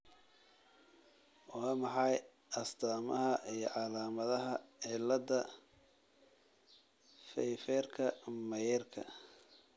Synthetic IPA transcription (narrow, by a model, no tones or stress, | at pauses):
wɑːmɑħɑj | ʔɐst̪ʰaːmɐɦɐʔijɞ̰ʕɑlaːmɐðɐɦɐʕɪlɐd̪ɐ | fɛjfɛrkʰɐmɐjɛrkʰɐ̰